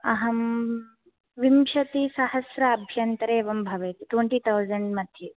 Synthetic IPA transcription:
ɐɦɐm | ʋimʃɐt̪isɐhɐsɾɐːbʱjɐnt̪ɾeːʋɐmbʱɐʋɐjt̪it̪weɳʈiːt̪ʰawzɐɳɖmɐd̪ʱje

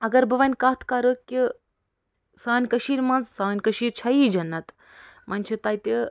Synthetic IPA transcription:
ɐɡɐɾbɨʋɐnʲkɐt̪ʰkɐɾəkʲːi | saːnʲkɐʃiːɾmɐnzsaːnʲkɐʃiːɾt͡ʃʰɐjid͡ʒɐnːɐt̪ | mʔɐnʲt͡ʃʰit̪ɐːjt̪i

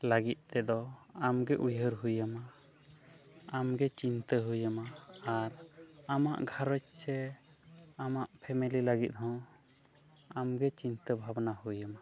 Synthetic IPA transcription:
laɡit̪̚ˀt̪ɛd̪ɔamɡɛʔujɦəɾɦujəma | amɡɛt͡ʃint̪əɦujəmaaɾama̰ʔɡʱaɾɔt͡ʃsɛ | amaʔpʰɛmililaɡit̪̚ɦɔ̃ | amɡɛt͡ʃint̪əbʱabnahujəma

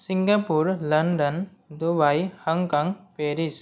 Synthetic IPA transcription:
siŋɡapuɾləɳɖən | d̪ubajhəŋkaŋpeɾis

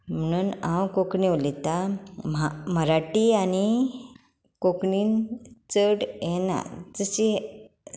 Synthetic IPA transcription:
m̤əñuːnãwkokɳeʋlit̪amaməɾaʈiañi | kokɳiːnt͡səɽjɛna̰d͡zəɕi

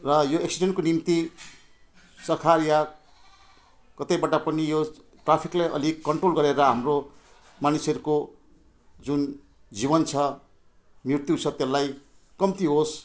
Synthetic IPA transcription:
rʌjoeksiɖeɳʈkonimt̪i | sʌkʰarja | kʌt̪ʌjbʌʈapʌnijo | ʈrapʰiklajʔʌ̰likːʌɳʈrolɡʌɾeɾʌɦamro | manisʌɾuko | d͡zun | d͡zibʌnt͡sʰʌ | mirt̪jit͡sʰʌt̪elːaj | kʌmt̪iɦos

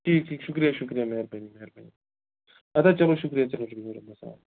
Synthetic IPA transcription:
ʈʰiːkʈʰikʃʊkɾijaʃʊkɾijameɾbɐɲimeɾbɐɲi | ɐt̪at͡ʃɐloʃʊkɾijat͡ʃɐloʃukkːɾabɐsa̰ː

